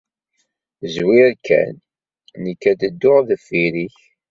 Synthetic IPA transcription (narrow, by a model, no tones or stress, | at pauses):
zwiɾkʰːæ̰nː | əkːæd̪əd̪ːʊʁðəfiɾiç